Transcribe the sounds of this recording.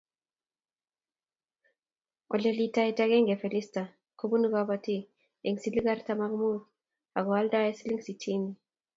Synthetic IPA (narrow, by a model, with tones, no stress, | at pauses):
ɔ˨le˨li˦ta˦i˦ta˦kɛ˦ŋɡɛ˨fe˨li˦sta˨ | ko˦bu˦nu˦ka˦bati˦ | e˨ŋsi˨li˦ka˦ɾta˦makmu˦ɾ | a˨ɡɔa˦lda˦e˦si˦li˦ŋsi˨tʰi˦mi˨